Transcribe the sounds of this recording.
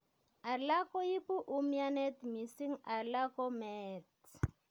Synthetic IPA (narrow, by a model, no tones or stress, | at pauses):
alakɔjipuʔumjanɛt̪misiŋalakɔmɛt